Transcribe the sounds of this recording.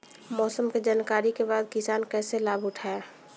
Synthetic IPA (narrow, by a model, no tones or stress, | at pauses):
mɔːsəmked͡ʒaːnkaːɾikebaːd̪̚kɪsaːnkɛːselaːbʱʊʈʰaːe